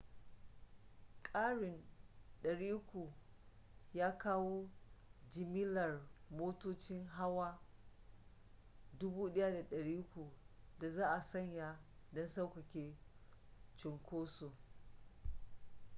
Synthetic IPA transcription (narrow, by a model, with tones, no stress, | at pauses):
kʼaː˦ɽɪ˨nɗɐ˨ɽiː˦kʷu˨ | jaː˦kaː˦woː˦d͡ʒɪ˨mɪ˦lɐ˨rmoː˦toː˦t͡ʃɪ˦ŋɦa˦waː˦ | dʊ˦buː˦ɗɐ˦ja˦da˨ɗɐ˨ɽiː˦kʷu˨da˨zaː˦ʔa˨sɐ˦˨ɲja˦dɔ˦nsa˦wkɐ˨kʲeː˨ | t͡ʃʊ˨ŋkʷoː˦su˨